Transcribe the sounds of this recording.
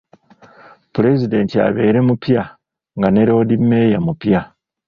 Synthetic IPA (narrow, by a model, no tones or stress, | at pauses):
pule̞zide̞ntia̰βe̞ːɾe̞mupja | ŋɡane̞ɾo̞ːdimːe̞ːjamupja